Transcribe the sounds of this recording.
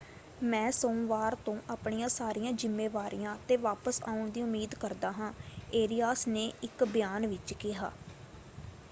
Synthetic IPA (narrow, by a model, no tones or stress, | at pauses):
mɛ̃ːsõːʋaːɾt̪õːʔaːpɳijãːsaːɾijãːd͡ʒɪmːeːʋaːɾijãːt̪eːʋaːpəsa̰ːʊɳd̪iːʊmːiːd̪kəɾd̪aːɦãːeːɾijaːsneːɪkbɪjaːnʋɪt͡ʃkɪɦa̰ː